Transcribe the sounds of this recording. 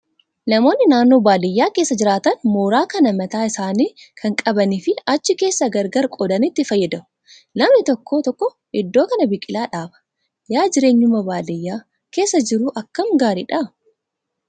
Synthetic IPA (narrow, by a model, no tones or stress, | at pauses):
nɐmo̞ːnːɪnaːnːo̞ːbaːlɪjːaːke̞ːsːɐd͡ʒɪɾaːt̪ɐnmoːɾaːkɐnɐmɐt̪aːɪsaːniː | kʰɐŋkʼɐbɐniːfɪɐt͡ʃːɪke̞ːsːɐɡɐɾɡɐɾkʼɔd̪ɐnɪt̪ːɪfɐjːɐd̪ɐʊ | lɐmnɪt̪ɔkːo̞ːt̪ɔkːɔ | ɪd̪ːo̞ːkɐnɐbɪkʼɪlaːᶑaːbɐ̥ | jaːd͡ʒɪɾe̞ːɲːʊmɐbaːlɪjːaː | ke̞ːsːɐd͡ʒɪɾuːʔɐkːɐmɡaːɾiːᶑɐ